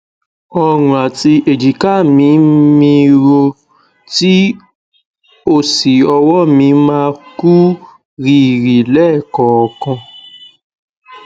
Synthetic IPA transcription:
ɔ˧ɾũ˨a˨ti˧ʔe˨d͡ʒi˨ka˦˨mĩ˧˦mĩ˧ɾo˧ | ti˦ | o˦˨si˨ɔ˧wɔ˦mĩ˧˦mãː˧ku˦ | ɾi˦˨ɾi˨lɛ˦˨kɔ˨ɔ˨kɔ̃˧

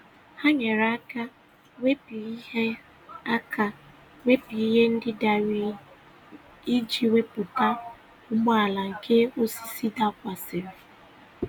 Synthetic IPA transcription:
ha˦ɲe˨ɾa˦ka˦ | we˦pi˨i˦ɦe˦ | a˦kʰa˨ | we˦pi˨i˦ɦe˦n̩˦dɪ˦da˨ɾi˨˦ | i˦d͡ʒi˨we˦pʊ˨ta˦ | ʊ˦ɡ͡bɔ˦a˨la˨ŋ̩˨kʰe˦o˦si̥˦si˦da˦kʷa˨sɪ˨ɾɪ˨

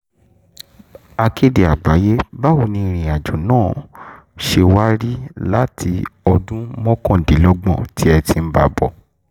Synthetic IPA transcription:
a˧ke˦de˨a˨ɡ͡ba˨˦je˦ba˦wo˧˨nĩ˧ɾ̃ĩ˨a˨d͡ʒu˨nãː˦˨ | ʃe˧wa˦ɾi˦la˦tʰi˧ɔ˧dũ˦mɔ̃˦kɔ̃˦˨de˨˦lɔ˦ɡ͡bɔ̃˦˨ti˨˦ɛ˧ti˧m̩˦ba˧˨bɔ˨

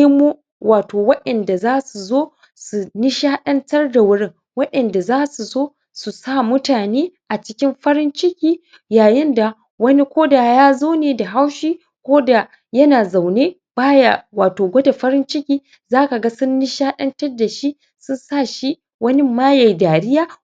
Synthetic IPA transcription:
mu˦ | wʔaː˨toː˨wɐ˦ɗɐ˨nda˨zaː˦su˨zoː˦ | su˨nɪ˦ʃaː˦ɗɐ˦ntɐ˦rda˨wʊ˦ɽɪ˦ŋ | wɐ˦ɗɐ˨nda˨zaː˦su˨zoː˦ | su˨sa˦˨mʊ˦taː˨neː˦ʔa˨t͡ʃɪ˦kʲɪ˦mɸɐ˦ɾɪ˦nt͡ʃɪ˦kʲiː˦ | jaː˨jɪ˦nda˨ | wɐ˦ni˦kʷoː˦da˨jaː˦zoː˦neː˨da˨ɦa˦wʃiː˦ | kʷoː˦da˨ | jɐ˦naː˨za˨wneː˦ | baː˦ja˨waː˨toː˨ɡʷɐ˦da˨ɸɐ˦ɾɪ˦nt͡ʃɪ˦kʲiː˦ | zaː˦ka˨ɡa˦sʊ˦nːi˦ʃaː˦ɗɐ˦ntɐ˦rda˨ʃi˦ | sʊ˦nsaː˦˨ʃi˦ | wɐ˦nɪ˦maː˦ja˨jdaː˨ɽɪ˦jaː˦

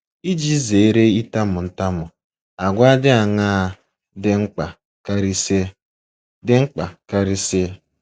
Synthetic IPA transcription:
i˦d͡ʒi˦ze˨e˦ɾe˦i˦ta˦mʊ˨n̩˦ta˦mʊ˨ | a˨ɡʷa˦dɪ˦a˨ŋaː˦˨ | dɪ˦ŋ͡m̩˦k͡pa˨ | ka˦ɾi˦se˦ | dɪ˦ŋ͡m̩˦k͡pa˨ka˦ɾi˦se˦

